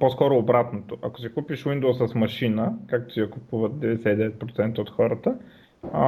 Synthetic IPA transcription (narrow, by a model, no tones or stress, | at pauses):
poskɔɾoːbɾat̪not̪oʔɐko̥sikupiʃwind̪owsəsmɐʃinəkak̚t̪o̥siɐkupuvət̪̚d̪ɛvd̪ɛsɛid̪ɛvɛt̪̚pɾot̪sɛnt̪əot̪xɔɾət̪ə